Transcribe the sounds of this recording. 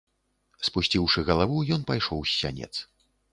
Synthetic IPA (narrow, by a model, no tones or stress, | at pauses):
spusʲt͡sʲiwʂɨɣɐlˠavujɔnpajʂɔwsʲːa̰nʲɛ̰t̪s